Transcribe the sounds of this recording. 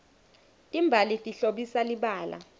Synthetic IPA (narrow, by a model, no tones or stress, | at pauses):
tʼimbʱalitʼiɬoɓisaliɓaːla̰